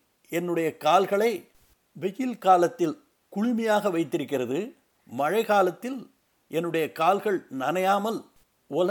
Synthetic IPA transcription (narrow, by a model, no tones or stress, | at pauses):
ɛnːɯɽɐjɐkaːlɣɐɭɐɪ | ʋɛjɪlkaːlɐt̪ːɪl | kʊɻɪmɐjaːɣɐʋɐɪt̪ːɪɾɯkːɪrɐðɯ | mɐɻɐɪɣaːlɐt̪ːɪl | ʔɛnːɯɽɐjɐkaːlɣɐɭnɐnɐjaːmɐl | ɔl